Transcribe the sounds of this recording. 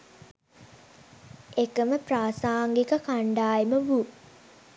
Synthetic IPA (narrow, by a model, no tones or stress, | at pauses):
ekəməpraːsaːŋɡikəkaɳɖaːjeməʋu